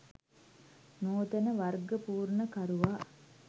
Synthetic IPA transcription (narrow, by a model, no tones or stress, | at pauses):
noːt̪ənəʋarɡəpuːrnəkaɾuʋaː